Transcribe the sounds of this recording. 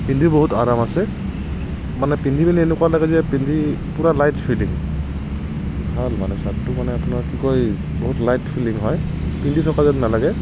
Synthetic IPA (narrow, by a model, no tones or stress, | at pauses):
pindʱibɔɦutaɹamasɛ | manɛpindʱibaniɛnɛkwalaɡɛzɛpindʱi | puɹalajtpʰiliŋ | bʱalmanɛsatːumanɛapʊnaɹkikɔj | bɔɦutlajtpʰiliŋɦɔj | pindʱitʰɔkazadnalaɡɛ